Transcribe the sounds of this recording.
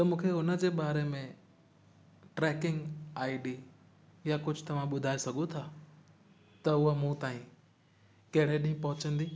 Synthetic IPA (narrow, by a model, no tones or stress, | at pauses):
t̪ɐmũːkʰeʊnə̆d͡ʑeːɓaːɾemẽ | ʈɾɛːkɪ̃ŋɡaːɪɖi | jakʊd͡ʑʱʊt̪ɐʋ̤ãɓʊd̪ʱaːesɐɡʱõt̪ʰaː | t̪ɐʊɦəmũt̪aːĩ | kɐɦɪɽeɗĩɦpɐɦʊt͡ɕə̃nd̪iː